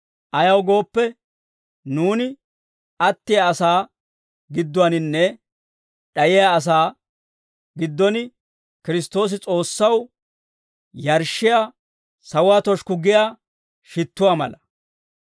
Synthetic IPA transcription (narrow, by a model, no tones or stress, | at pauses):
ʔɐjɐwɡo̞ːpːɛ | nuːnɪ | ɐt̪ːɪjaɐsaː | ɡɪd̪ːʊɐnɪnːɛ | ᶑɐjɪjaɐs̬aː | ɡɪd̪ːɔnɪ | kɪɾɪst̪o̞ːs̬ɪt͡sʼo̞ːsːɐw | jɐɾʃːɪjaː | sɐwaːt̪ɔʃkʊɡɪjaː | ʃɪt̪ːʊwaːmɐ̰lɐ